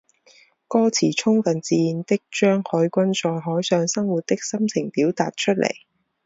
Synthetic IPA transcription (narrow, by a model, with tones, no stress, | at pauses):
kɔː˥t͡sʰiː˨˩t͡ʃʰʊ˥ŋfɐ˨˩nt͡siː˨˧ji˨nt̪ɪ˥k̚t͡ʃœː˥ŋhœ˨˥jkʷɐ˥nsɔː˨˧jɦɔː˨˥jsœː˨˧ŋsɐ˥ŋwu˨t̚t̪ɪ˥k̚sɐ˥mt͡sʰɪ˨˩ŋpiː˨˥wt̪aː˨t̚t͡ʃʰɵ˥t̚lʔḛ˨˩j